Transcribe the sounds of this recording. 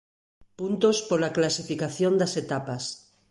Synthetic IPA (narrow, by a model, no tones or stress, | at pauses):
punt̪ospolaklasifikaθjond̪aset̪apas